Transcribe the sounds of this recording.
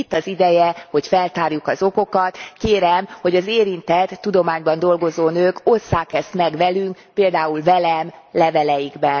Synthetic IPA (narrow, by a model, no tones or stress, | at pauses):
it̪ːɒzid̪ɛjɛho̞cfɛlt̪aːrjukɒzo̞ko̞kɒt̪keːɾɛmho̞ɟɒzeːɾint̪ɛt̪ːud̪o̞maːɲbɒnd̪o̞lɡo̞zoːnøːko̞sːaːkɛst̪mɛɡʋɛlyŋk | peːld̪aːulvɛlɛmlɛvɛlɛjiɡbɛn